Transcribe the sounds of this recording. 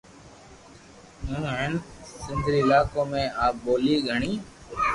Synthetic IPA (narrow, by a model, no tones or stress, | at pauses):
ɦũːɦənsɪnd̪ʱɾiːɪlaːkõːmẽːaːboːliːɡʱəɳiː